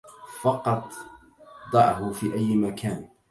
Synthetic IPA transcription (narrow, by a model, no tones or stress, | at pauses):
fɑqɑt̪ˤ | d̪ˤɑʕhʊfiːʔajːmakʰaːn